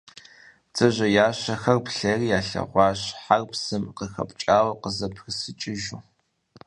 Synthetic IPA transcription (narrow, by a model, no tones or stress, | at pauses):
t͡sʼɨʑɐjaːɕɐxɐrpɬɐriːjaːɬɐ̰ʁʷɑːɕħarpsɨmqəxɐ̰pʼt͡ʃʼaːwɐqəzɐpʰxɨsɨt͡ʃʼɪʒuː